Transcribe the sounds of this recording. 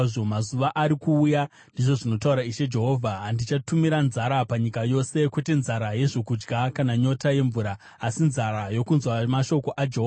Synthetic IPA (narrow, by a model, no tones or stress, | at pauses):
ʐomazuʋaʔaɾikuːja | ndiʐo̞ʐino̞tauɾaiʃe̞d͡ʒe̞ɦo̞vʱaɦandit͡ʃatumiɾanzaɾapaɲikajo̞se̞kwe̞te̞nzaɾaje̞ʐokud͡ʒɡakanaɲo̞taje̞ɱvuɾaː | sinzaɾajo̞kunzwamaʃo̞ko̞ʔad͡ʒeɦoa